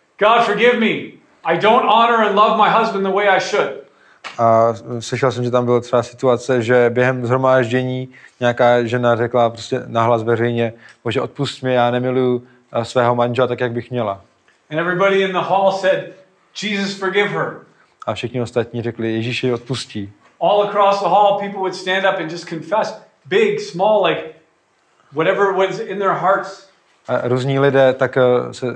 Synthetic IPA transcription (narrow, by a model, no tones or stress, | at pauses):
ɡ̥ɑd̥fə˞ɡɪvmi | aɪdõʊ̃ntɑnə˞ə̃nlʌvmaɪɦʌzbə̃nðəweɪaɪʃʊd̥ | ʔaslɪʃɛlsɛmʒɛt̪ambɪlt̪rɛbasɪt̪uat͡sɛʒɛbjɛɦɛmzɦɾomaːʒɟɛɲiːɲɛakaːʒɛnarɛklapɾoscɛnaɦlasvɛrɛjɲɛboʒɛʔo̞t̪puscmɪjaːnɛmɪluju | svɛːɦomanʒɛlɛt̪akjaɡ̚bɪxmɲɛla | ɨ̃nɛvɹibɑɾiɨ̃nðəhɔlˠsɛd̚ | d͡ʒizʌsfə˞ɡɪv̥ə˞ | ʔafʃɪxɲɪo̞st̪at̪̚ɲiːrɛklɪjɛʒiːʃɪo̞t̪̚pusciː | ɔlˠəkʰɹ̥ɔsðəɦɔlˠpipl̩ˠwəd̥stæ̃ndʌpɨ̃nd͡ʒʌskʰɨ̃ɱfɛs | b̥ɪɡsmɔlˠlaɪk | wʌɾɛvə˞wɛ̃nzɪ̃nðə˞ɦɑɹts | ʔaɾuːzɲiːlɪdɛːt̪aksɛ